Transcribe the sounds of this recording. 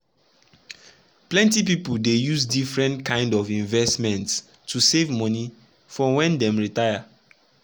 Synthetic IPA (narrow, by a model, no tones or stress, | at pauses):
plɛ̃ntipipuldejuzdifɹɛ̃ntkʰãɪ̃ndɔvĩɱvɛstmɛ̃nts | tʰusevmɔni | fɔ̃wɛ̃ndɛ̃mɹitaɪa